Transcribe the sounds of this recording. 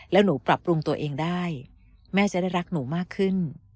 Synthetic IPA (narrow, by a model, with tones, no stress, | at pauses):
lɛː˦˥wnuː˩˦pɾa˨˩p̚ːɾu˧ŋt̪u˧ɐʔeː˧ŋdaː˥˩j | mɛː˥˩t͡ɕa˨˩da˥˩jɾa˦˥k̚nuː˩˦maː˥˩kʰːɯ˥˩n